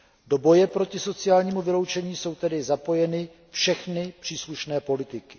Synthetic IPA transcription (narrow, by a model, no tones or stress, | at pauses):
do̞bo̞jɛpɾo̞cɪso̞t͡sɪjaːlɲiːmuvɪlo̞wt͡ʃɛɲiːso̞wt̪ɛdɪzapo̞jɛnɪ | fʃɛxnɪpr̝̥iːsluʃnɛːpo̞lɪt̪ɪkɪ̥